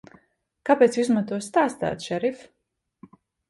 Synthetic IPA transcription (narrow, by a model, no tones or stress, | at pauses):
kapɛːt̪sʲizmat̪uɔst̪aːst̪æ̰ːt̪ʃɛɾif